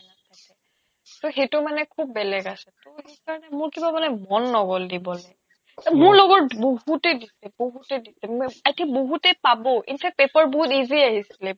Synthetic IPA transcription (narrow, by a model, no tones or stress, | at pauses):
natakɛ | toxejtʊmanɛkʰubːɛlɛɡasɛtoejkaɹɔnɛmʊɹkibamanɛmɔnːɔɡɔldibɔlɛ | mʊɹlɔɡɔtboɦutɛdisɛboɦutɛdisɛmajtʰiboɦutɛpabɔʔḭnpʰɛk̚pepaɹboɦutiziaɦisilɛ